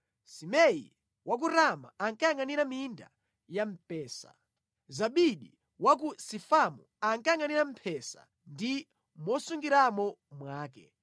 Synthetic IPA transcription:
simɛḭ | wak̬uɾama̰aŋkajaŋaniɾaminda̰ | jam̩pɛːsa̰ | zaɓiɗi | wak̬usifamṵ | aŋkaaŋaniɾam̩pʰɛsa̰ | ndi | mɔsuŋɡiɾamɔ | mwaːkɛ̰

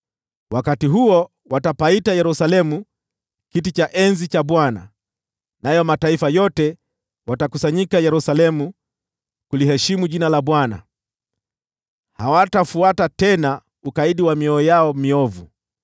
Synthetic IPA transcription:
wakatiɦuɔ | watapaitajɛɾusalɛmu | kitit͡ʃaʔɛnzit͡ʃaɓwana̰ | najɔmataifajɔtɛ | watakusaɲikajɛɾusalɛmu | kulihɛʃimuʄinalaɓwana̰ | hawatafuatatɛna | ukaiɗiwamiɔːjaɔmiɔvṵ

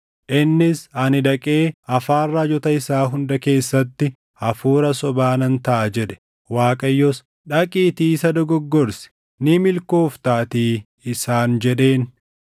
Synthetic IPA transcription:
ʔɪnːɪsɐnɪd̪ɐkʼe̞ːɐfaːrːad͡ʒɔt̪ɐɪsaːɦʊnd̪ɐke̞ːsːɐt̪ːɪ | ɐfuːɾɐsɔbaːnɐnt̪ɐʔɐd͡ʒɛᶑɛ̥ | waːkʼɐjːɔs | ᶑɐkʼiːt̪iːsɐd̪ɔɡɔɡːɔɾsɛ̥ | nɪmɪlko̞ːft̪aːt̪iː | ɪsaːnd͡ʒɛɗe̞ːn

